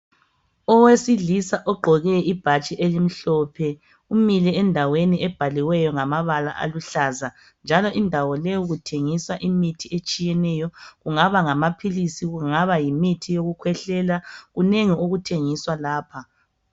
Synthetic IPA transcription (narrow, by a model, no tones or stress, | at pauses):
ɔwesiɮisaʔɔɡ͡ǃʱɔɣɛib̥ʱat͡ʃʼiʔelim̩ɬɔːpʰɛ | umilɛɛndʱaweniɛb̥ʱaliwɛjɔŋamaβala̰ʔa̰luɬaza | nd͡ʒʱalɔʔindʱawɔleuɣutʰeŋiswaʔimitʰiet͡ʃʼijɛnɛjɔɣuŋaβaŋamapʰilisiɣuŋaβajimitʰijoɣukʰwɛɬɛlaɣuneŋioɣutʰeŋiswalaːpʰa